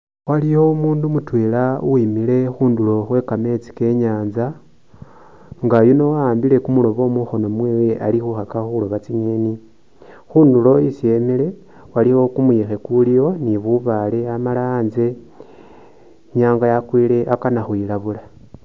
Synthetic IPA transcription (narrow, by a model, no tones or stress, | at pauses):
walijo̞umuːndumutwe̞lauimile̞xuːndulo̞xwe̞kame̞t͡si̥ke̞ɲaːnza | ŋɡajuno̞waːmbile̞kumulo̞βo̞muxo̞no̞mmweːwe̞ʔalixuxakaxuulo̞βat͡siɲeni | xuːndulo̞isie̞mile̞ | waliwo̞kumujixe̞kulijo̞niβuβale̞amalaːnze̞ | ɲaːŋɡajakwiːle̞ʔakanaxwilaβula